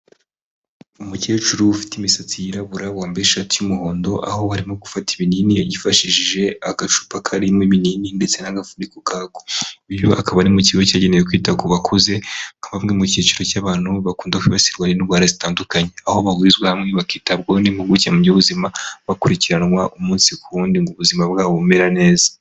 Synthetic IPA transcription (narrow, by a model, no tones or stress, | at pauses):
umuce̞ːt͡ʃuɾuːfi̥timisat͡sijiɾaβuɾawaːmbeɾeʃatijumuɦo̞ːndo̞ʔa̰ho̞haɾimo̞ɡufati̥βiniːnijaɟifaʃiʒiʒe̞aɡaʃu̥pakʰaɾimŋiβiniːninde̞t͡se̞naɡafuɾikokʰaɡ̥oiβjoʔakaβanimuciɡocaːɟe̞nejek̬wiːtaɡoβakʰuze̞ŋaβamŋe̞mucit͡ʃuɾo̞caːβaːn̥huβakuːndakwiβasiɾɡwaniniβɡwaːɾazitaːndukaɲeaho̞βaɡwizɡwehamŋe̞βakiːtabɡanimuɡucamubɟoβuzimaβakuɾiciɾanwaʔumuːnsikuuːndiŋɡoβuzimaβɡaːβoume̞ɾane̞ːza